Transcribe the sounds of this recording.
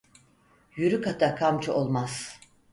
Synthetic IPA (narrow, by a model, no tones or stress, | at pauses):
jyɾykat̪ʰakʰamt͡ʃʰuo̞lˠmaz̥